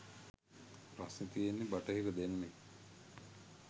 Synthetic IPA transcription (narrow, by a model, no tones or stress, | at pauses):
pɾasnit̪ijenːebaʈəɦekəd̪enəme